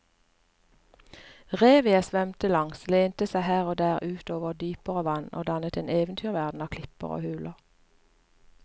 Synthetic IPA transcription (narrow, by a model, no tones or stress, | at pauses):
ʁeːʋɪəsʋœmt̪əlɑŋsleːnt̪əsæɪhæːʁoːd̪æːʁʔʉːt̪oːʋəʁd̪yːpəʁəʋɑno̰ːd̪ɑnət̪eːneːʋənt̪ʰyːʁʋæʁd̪n̩ɑːkʰlɪpə̰ʁo̰ːhʉːlʔəʁ